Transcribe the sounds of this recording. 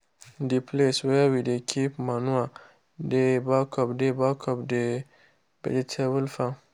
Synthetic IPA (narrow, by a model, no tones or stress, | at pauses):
dipʰleswɛwidekʰipmãnũa | debakʰɔbdebakʰɔpde | bɛ̰dɪtʰɛbulfa